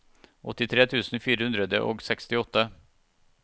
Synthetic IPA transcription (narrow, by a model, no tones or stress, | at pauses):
ʔɔ̰t̪ːɪt̪ʰɾeːt̪ʰʉːsn̩fiːɾəhʉnd̪ɾəd̪ə̰ʔo̰ːɡsɛkst̪ɪɔt̪ːə